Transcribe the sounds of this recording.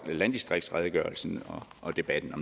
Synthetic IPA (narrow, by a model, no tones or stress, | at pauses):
læn̰d̥isd̥ʁeɡ̥d̥sʁaðˠəɡ̥ɶɐlsn̩ɒ̽ʔɒ̽d̥e̝b̥æd̥n̩ɒ̽m